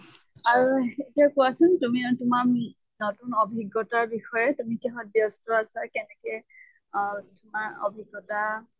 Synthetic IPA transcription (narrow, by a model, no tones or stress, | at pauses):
aɹuetiakʊasʊntumiatʊmam | nɔtunɔbʱiɡɔtaɹbixɔjɛtumikɛɦɔt̚bjɔstɔasakɛnɛkɛ | tʊmaɹo̰bʱiɡːɔta